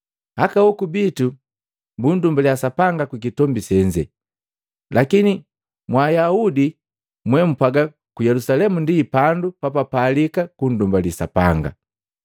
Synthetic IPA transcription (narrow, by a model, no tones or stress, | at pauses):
hakawɔkubitu | mbundumbaljasapaŋɡakwik̬itɔmbisɛɲd͡ʒɛ̰ | lʔakini | mwaːjaudi | mwɛm̩paɡa | kujɛlusalɛmundiːpandupapapalikakun̩dumbalisa̰pa̰ŋɡa̰